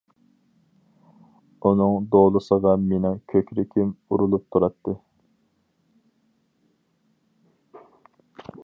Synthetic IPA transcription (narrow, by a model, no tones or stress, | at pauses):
unɨŋd̪olˠɨsəʁɑmenɛkʲʰøkʲɾɪkʲʰimuɾulˠup̚t̪ʰuɾɑt̪ʰːɨ